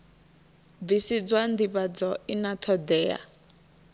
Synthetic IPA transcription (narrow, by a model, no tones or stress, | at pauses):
bisid͡zwand̪iβad͡zɔinat̪ʰɔd̪ɛːa̰